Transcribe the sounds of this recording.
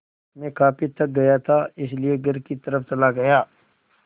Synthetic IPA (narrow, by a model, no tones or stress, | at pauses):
mẽkaːpʰit̪ɐk̚ɡɐjat̪ʰaɪslieɡɐɾkit̪ɐɾəft͡ʃɐlaɡɐjaː